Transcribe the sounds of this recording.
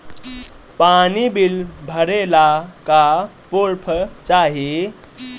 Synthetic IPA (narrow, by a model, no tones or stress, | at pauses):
panibilbʱəɾelaka | poɾpʰət͡ʃaɦi